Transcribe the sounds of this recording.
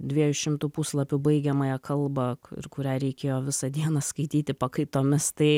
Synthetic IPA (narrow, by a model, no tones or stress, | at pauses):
d̪ʲʋʲiɛjʊʃʲɪmt̪upuslˠɐpʲʊbɐɪɡʲɛmɐjɛkɐlˠbɐɪ̰rkʊɾʲæːɾʲɛɪkʲeːjoːʋʲɪsɐd̪ʲiɛnɐskɐɪt̪ʲiːt̪ʲɪpɐkɐɪt̪oːmʲɪst̪ɐɪ